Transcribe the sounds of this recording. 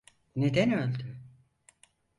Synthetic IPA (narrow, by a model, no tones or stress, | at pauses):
ned̪ɛnølʲd̪y